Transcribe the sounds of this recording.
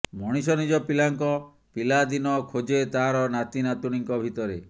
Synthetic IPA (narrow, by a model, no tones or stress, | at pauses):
mɔɽ̃isɔnid͡ʒɔpilaŋkɔ | pilad̪inɔkʰod͡ʒet̪aɦaɾɔnat̪inat̪uɽ̃iŋkɔbʱit̪ɔɾe